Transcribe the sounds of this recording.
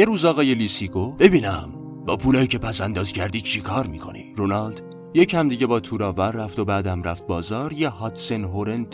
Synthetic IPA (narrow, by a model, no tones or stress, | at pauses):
jeɾuːzɒːɣɒːjeliːsiːɡo̞b̥e̞biːnæm | bɒːpʰuːlɒːjiːcʰe̞pʰæsænd̪ɒːzcʰæɾd̪iːd̪̚t͡ʃʰekʰɒːɾmiːkʰo̞̰nḭɾonɒld̪̥ | jecʰhæmd̪iːɟe̞bɒːt̪ʰuːɾɒːvæɾːæft̪o̞bæːd̪æmræft̪̚bɒːzɒːɾjehɒːt̪senɦoɾend̪